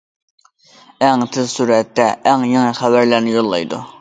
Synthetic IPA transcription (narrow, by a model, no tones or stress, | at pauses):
æŋt̪ʰɪzsuɾɛt̪ːɛʔæŋjeŋɨχæbæɾlæɾnɪjolˠːɑ̰jd̪ṵ